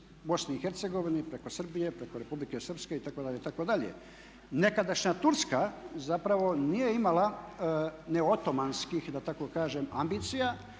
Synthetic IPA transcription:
bo̞sniixe̞ɾt̪se̞ɡo̞ʋinipɾe̞ko̞sr̩bije̞pɾe̞ko̞ɾe̞publike̞sr̩pske̞it̪ako̞d̪aʎeit̪akod̪aʎe̞̰ | ne̞kad̪aʃɲat̪uɾskazapɾaʋo̞nije̞imala | ne̞ot̪o̞manskixd̪at̪ako̞kaːʒemambit̪sija

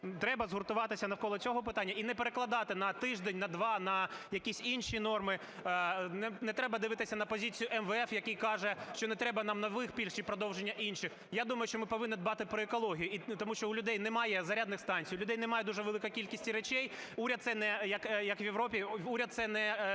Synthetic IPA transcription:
t̪ɾɛbɐzɦʊrt̪ʊʋɑt̪ɪsʲɐnɐwkɔlˠɔt͡sʲɔɦɔpɪt̪ɑnʲːɐinɛpeɾeklˠɐd̪ɑt̪ɪnɐt̪ɪʒd̪enʲnɐd̪ʋɑnɐjɐkʲisʲinʃinɔrmɪ | nɛnɛt̪ɾɛbɐd̪ɪʋɪt̪ɪsʲɐnɐpɔzʲit͡sʲijʊʔɛmʋɛfjɐkʲijkɑʒɛʃt͡ʃɔnɛt̪ɾɛbɐnɑmnɐʋɪxpʲilʲʃt͡ʃipɾɔd̪ɔwʒenʲːɐʔinʃɪx | jad̪umɐjʊʃt͡ʃɔmɪpɔʋɪnːɪd̪bɑt̪ɪpɾɔekɔlˠɔɦʲijʊit̪ɔmuʃt͡ʃɔʊlʲʊd̪ɛjnɛmɑjɛzɐɾʲad̪nɪxst̪ɑnʲt͡sʲijlʲʊd̪ɛjnɛmɑjɛd̪uʒɛʋelˠɪkɔjkʲilʲkʲisʲtʲiɾet͡ʃɛjuɾʲɐd̪̚t̪sɛnɛjɐkjɐkʋʲjeʋɾɔpʲiuɾʲɐd̪t̪sɛnɛ

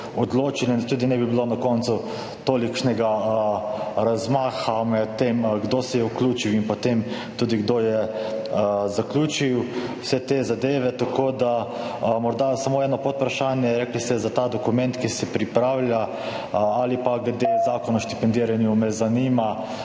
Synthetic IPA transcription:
od̪loːt͡ʃilind̪t̪uːd̪inɛbibilonakɔnt̪su | t̪oːlikʃnɛɡa | ɾazmaːxamɛtt̪ːemɡd̪osɛjɛuklʲuːt͡ʃiwinpot̪em | t̪uːd̪iɡd̪ojɛ | zaklʲuːt͡ʃiw | sɛt̪ezad̪eːʋɛt̪akoːd̪a | mɔɾd̪asamoɛːnɔpot̪̚pɾaʃaːnjɛɾɛːklist̪ɛzat̪aːd̪ɔkumɛnt̪kisɛpɾipɾaːwlja | alipaɡlɛd̪ezaːkɔnɔʃt̪i̥pɛnd̪iːɾanjumɛzaniːma

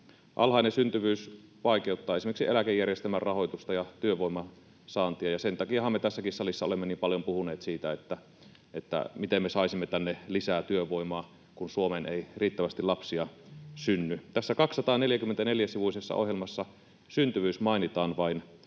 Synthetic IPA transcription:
ʔɑ̰lhɑinesynt̪yʋyːsʋɑˑikeut̪ːɑːesimerksielækejːærjest̪æmærrɑhojt̪ust̪ɑjɑt̪yøʋoimɑ | sɑːnt̪iɑjɑsent̪ɑkiɑhɑmːet̪æsːækisːɑlisːɑolemːeniːmpɑljompuhuneːt̪siːt̪æet̪ːæ | ʔet̪ːæ̰mit̪emːesɑˑisimːet̪ænːelisæːt̪yøʋoimɑː | kunsuomeneiriːt̪ːæʋæst̪ilɑpsiɑsynːyt̪æsːækɑkssːɑt̪ɑːneljækymːent̪æneljæsiʋusesːɑ̰ʔo̰hjelmɑsːɑ | synt̪yʋyːsmɑinit̪ɑːnʋɑin

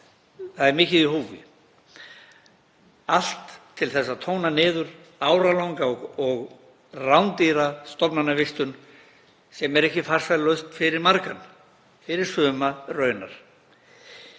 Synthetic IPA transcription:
θaðɛɾmɪːcɪðiɦuːvɪ̰ | al̥t̪ʰːɪlθɛsːaðt̪ʰoːwnanɪːðʏɾ | aːwɾalowŋkaɔɣɔɣ | rawnt̪iɾast̪ɔpnanːavɪst̪ʏn | sɛmɛɾɛhcɪfar̥salœɥst̪fɪɾɪɾmaɾkan | fɪɾɪɾ̥sœːmarœːɥna̰ɾ̥

